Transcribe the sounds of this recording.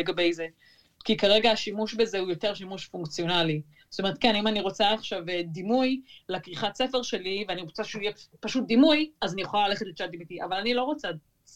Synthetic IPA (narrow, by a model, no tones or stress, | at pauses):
eɡabejze | kikaʁeɡaːʃimuʃbezeujo̞te̞ʁʃimuʃfuŋkt͡sio̞nali | zotome̞et̪̚kenimaniʁo̞t͡saːχʃavedimujlekʁiχatse̞fe̞ʁʃe̞liveaniʁot͡saʃeujepaʃut̚d̪imujazanijeχolalaleχetleʃad̪imit̪iʔa̰valanilo̞ʁo̞t͡sa